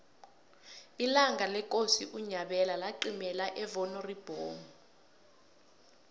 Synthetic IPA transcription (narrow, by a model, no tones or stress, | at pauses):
ilaŋɡalɛk̬ʼosiʔuɲaɓɛlalaǃimɛlaʔɛvɔnɔrib̥ʱoːŋ